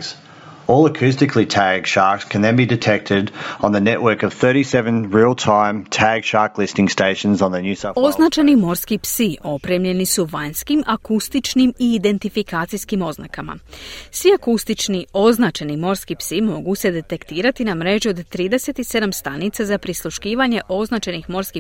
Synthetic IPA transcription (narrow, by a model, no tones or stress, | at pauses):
z̥ | ɔlˠəkʰʉs̬tɨkʰlitʰæɡ̥ʃɑɹkskʰɨ̃nðɨ̃nbidɨtʰɛk̚tʰɪɾ̃n̩ðɨnɛʔwɜ˞kʌv̥θɜ˞ɾisɛvə̃nɹilˠtʰãɪ̃mtʰæɡ̥ʃɑɹklɪstɪ̃ŋsteɪʃə̃nzn̩ðɨnjʉsao̞znat͡ʃenimo̞ɾskipsio̞pɾemʎe̞nisuʋajnskimʔakust̪it͡ʃnimiːd̪e̞nt̪ifikaːt̪sijskimo̞zna̰kama̰sʋiakust̪it͡ʃnio̞znat͡ʃenimo̞ɾskipsimo̞ɡuse̞d̪e̞t̪e̞kt̪iːɾat̪inamɾe̞ʒio̞d̪t̪ɾiːd̪e̞se̞t̪ise̞d̪amst̪anit̪sazapɾislˠuʃkiːʋaɲe̞ʔo̞znat͡ʃe̞nixmo̞ɾski